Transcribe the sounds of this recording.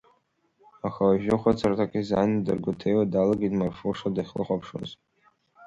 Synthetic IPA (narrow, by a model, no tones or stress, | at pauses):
axawaʒᶣʊχʷat͡sʰartʰakʼizanidɨrɡʷʊtʰejwadalaɡidmarfoʂadaχʲlɨ̰χʷapʰʂo̰z